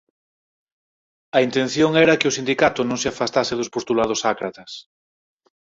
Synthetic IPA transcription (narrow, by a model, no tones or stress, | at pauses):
ɐint̪ẽn̟θjoŋɛɾɐkɪʊsind̪ikat̪ʊnõŋsɪafast̪aseðʊspost̪ulað̞ʊsakɾat̪ɐs